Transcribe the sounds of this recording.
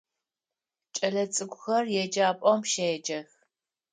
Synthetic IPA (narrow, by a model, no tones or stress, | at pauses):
t͡ʃʼɐɮɐt͡sʼɨɡʷʊxɐrjɛd͡ʒaːpʼɔmʃejɛd͡ʒɐx